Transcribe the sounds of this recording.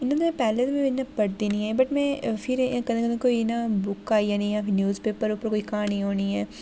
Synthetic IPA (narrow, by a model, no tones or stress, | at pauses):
ɪnːãːt̪omɛ̃pɛːlet̪omẽʋɪnːãpəɽd̪inĩːɛ̃ːbəʈmɛ̃ːpʰɪɾkɐd̪ẽkəd̪ẽkoːiɪnãbʊkaːijanɐĩjãːpʰɪɾnjuːzpeːpːəɾʊpːəɾkoːikaːnĩːɦoːniːɛː